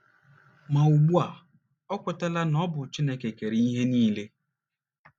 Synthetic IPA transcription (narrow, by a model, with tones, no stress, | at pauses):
ma˨u˨ɡ͡bu˦a˨ | ɔ˦kʷʊ˨ta˦la˦nɔ˦bʊ˨t͡ʃi˦ne˦ke˨ke˨ɾi˨i˦ɦe˦niː˦le˦